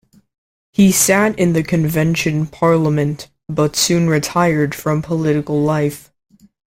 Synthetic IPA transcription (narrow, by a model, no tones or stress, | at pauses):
hisæɾɨ̃nðɨkʰɨ̃ɱvɛ̃nʃɨ̃npʰɑɹləmɨ̃n | b̥ʌtsʉ̃nɹɨtʰaɪə˞d̥fɹʌ̃mpʰəlɪɾɨkl̩ˠlaɪf